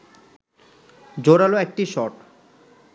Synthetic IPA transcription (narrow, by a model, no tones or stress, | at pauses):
d͡ʑoɾaloɛk̚ʈiʃɔʈ